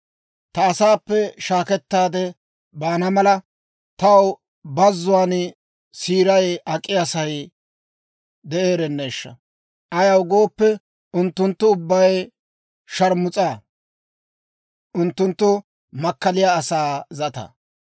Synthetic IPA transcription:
t̪ɐːsaːpːɛʃaːkɛt̪ːaːd̪ɛ | baːnɐmɐlɐ | t̪ɐw | bɐzːʊwaːn | siːɾɐjɐkʼːɪjɐsɐj | d̪ɛʔe̞ːɾɛnːe̞ːʃːɐ̰ | ʔɐjɐwɡo̞ːpːɛ | ʊnt̪ːʊnt̪ːʊʊbːɐj | ʃɐɾmʊt͡sʼaː | ʔʊnt̪ːʊnt̪ːʊ | mɐkːɐlɪjaːsaːzɐt̪ɐ̰

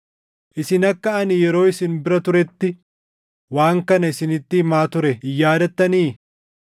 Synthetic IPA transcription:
ʔɪsɪnɐkːɐɐnɪjɛɾo̞ːɪsɪnbɪɾɐt̪ʊɾɛt̪ːɪ | waːŋkɐnɐɪsɪnɪt̪ːɪhmaːt̪ʊɾɛjaːd̪ɐt̪ːɐniː

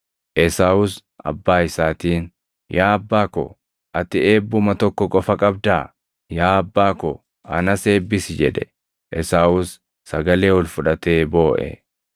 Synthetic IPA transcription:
ʔɛsaːwʊs | ʔɐ̰bːaːɪsaːt̪iːn | jʔaːɐbːaːkɔ̰ | ʔɐt̪ɪeːbːʊmɐt̪ɔkːɔkʼɔfɐkʼɐb̚d̪aː | jaːɐbːaːkɔ̰ | ɐ̰nɐse̞ːbːɪsd͡ʒɛᶑɛ | ʔɛsaːʊsː | ɐɡɐle̞ːwɔlfʊᶑɐt̪e̞ːbo̞ːʔɛ̰

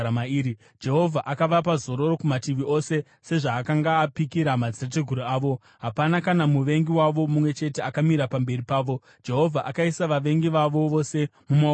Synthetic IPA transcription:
maiːɾi | d͡ʒe̞ɦo̞vʱaʔakaʋapazo̞ɾo̞ɾo̞kumatiʋiʔo̞se̞ | se̞ʐaːkaŋɡaːpikiɾamad͡zirateɡʱuɾuaːʋo̞ | ɦapanakanamuʋe̞ŋɡiwaʋo̞mumwe̞t͡ʃe̞te̞akamiɾapambe̞ripaːʋo̞ | d͡ʒe̞ɦo̞vʱaʔakaisaʋaʋe̞ŋɡiʋaʋo̞ʋo̞se̞muma

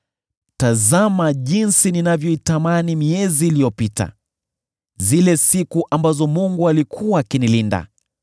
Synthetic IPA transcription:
tazamaʄinsininavjɔitamanimiɛziːlijɔpita̰ | zilɛsikuʔambazɔmuŋɡualikʰuaːkinilinda̰

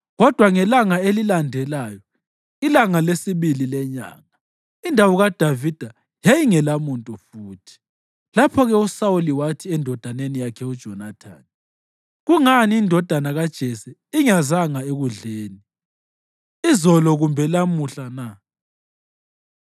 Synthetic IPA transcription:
ɣɔd̥ʱwaŋɛlaŋaelilandʱɛlajɔ | ilaŋalesiβililɛɲa̰ːŋa | indʱawɔɣad̥ʱavid̥ʱa | jejiŋɛlamuntʼufuːtʰi̥ | lapʰɔɣɛusauliwatʰiɛndʱɔd̥ʱanenijakʰɛud̥ʒ̥ʱɔnatʰa̰ːn | ɣuŋaniːndʱɔd̥ʱanaɣad̥ʒ̥ʱɛsɛiŋazaŋaeɣuɮeːni | izɔlɔɣumbʱɛlamuɬana

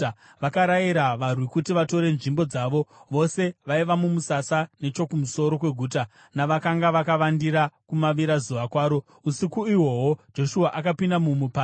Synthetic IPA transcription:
ʋakaɾaiɾaʋarwikutiʋato̞ɾe̞nʐimbo̞d͡zaːʋo̞ʋo̞se̞ʋaiʋamumusasane̞t͡ʃo̞kumuso̞ɾo̞kwe̞ɡʱuːta | naʋakaŋɡaʋakaʋandiɾakumaʋiɾazuʋakwaːɾo̞ | usikuiwo̞ɦo̞d͡ʒo̞ʃuaʔakapindamumupaː

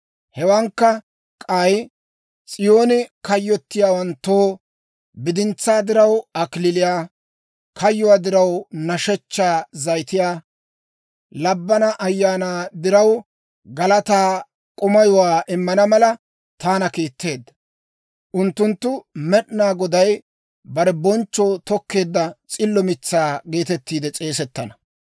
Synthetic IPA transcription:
hɛwɐŋkːɐ | kʼaj | t͡sʼɪjo̞ːnɪkɐjːɔt̪ːɪjaːwɐnt̪ːoː | bɪd̪ɪnt͡sːaːd̪ɪɾɐwɐkɪlɪlɪjaː | kʰɐjːʊwaːd̪ɪɾɐwnɐʃɛt͡ʃːaːzɐjt̪ɪjaː | lɐbːɐnɐʔɐjːaːnaːd̪ɪɾɐw | ɡɐlɐt̪aː | kʼʊmɐjʊwaːʔɪmːɐnɐmɐlɐ | t̪aːnɐkiːt̪ːe̞ːd̪ːɐ̥ | ʔʊnt̪ːʊnt̪ːʊmɛɗnaːɡɔd̪ɐj | bɐɾɛbɔnt͡ʃːoːt̪ɔkːe̞ːd̪ːɐt͡sʼɪlːɔmɪt͡sːaːɡe̞ːt̪ɛt̪ːiːd̪ɛt͡sʼe̞ːsɛt̪ːɐnɐ

